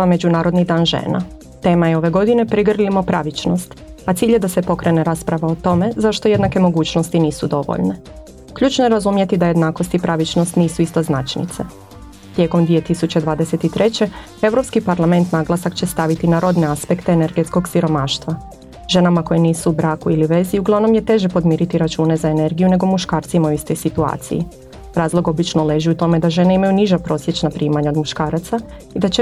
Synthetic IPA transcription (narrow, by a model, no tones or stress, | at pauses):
ame̞d͡ʑunaːɾo̞d̪nid̪aːnʒḛːna̰ | t̪e̞ːmajeo̞ʋe̞ɡo̞d̪ine̞pɾiɡr̩ʎimo̞pɾaʋit͡ɕno̞st̪at̪siːʎjed̪ase̞po̞kɾe̞ne̞ɾaspɾaʋaot̪o̞me̞zaʃt̪o̞je̞d̪nake̞mo̞ɡuːt͡ɕno̞st̪iniːsud̪o̞ʋo̰ʎne | kʎuːt͡ʃnojeɾazumjet̪id̪aje̞d̪naːko̞st̪ipɾaʋit͡ʃnost̪niːsuist̪oznat͡ʃnḭt̪sḛ | t̪je̞ːko̞md̪ʋije̞t̪isut͡ɕe̞d̪ʋaːd̪eset̪it̪ɾe̞t͡ɕe̞ | e̞ʋɾo̞pskipaɾlˠame̞nt̪naɡlˠasakt͡ɕe̞st̪aʋit̪inaɾo̞d̪ne̞aspe̞kt̪e̞ene̞ɾɡe̞t̪sko̞ɡsiɾo̞maːʃt̪ʋa | ʒ̥e̞namako̞jeniːsuubɾaːkuiliʋe̞ziuɡlˠaʋno̞mje̞t̪e̞ʒe̞po̞d̪miːɾit̪iɾat͡ʃuːne̞zae̞ne̞ɾɡijune̞ɡo̞muʃkaːɾt̪simauist̪o̞jsit̪ua̰ːt̪sḭjḭ | ɾaːzlˠo̞ɡo̞bit͡ʃnole̞ʒiut̪o̞me̞d̪aʒe̞neimajuniʒapɾo̞ːsjet͡ʃnapɾiːmaɲaod̪muʃkaːɾat̪sa | id̪at͡ɕe